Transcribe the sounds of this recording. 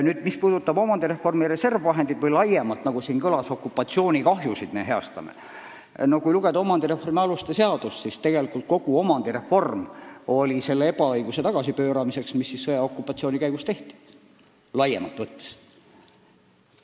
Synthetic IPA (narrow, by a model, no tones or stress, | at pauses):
nyːd̪mispuːd̪̥ut̪ːˑɑbo̞mɑnd̪̥iɾe̞fːo̞rmiɾe̞se̞rvvɑɦe̞nd̪̥id̪̥vɤjlɑjemɑt̪ːˑnɑɡ̥usiːnkɤlɑso̞kˑːupːˑɑt̪sio̞ːnʲikɑɦjusid̪̥me̞ɦe̞ɑst̪ɑ̰mḛ | no̞kujluɡ̥e̞d̪ɑo̞mɑnd̪̥iɾe̞fo̞rmiɑlust̪ese̞ɑd̪̥ussist̪e̞ɡ̥e̞likˑult̪̚ko̞ɡ̥uo̞mɑnd̪̥iɾe̞fo̞rmo̞lʲise̞lːeebɑɤjɡ̥use̞t̪ɑɡ̥ɑsipø̞ːɾɑmise̞ksmisːisːɤjɑo̞kːˑupːˑɑt̪sio̞ːnʲikæjɡ̥ust̪e̞ht̪i̥ | lɑjḛmɑlt̪ːˑvɤt̪ːˑe̥s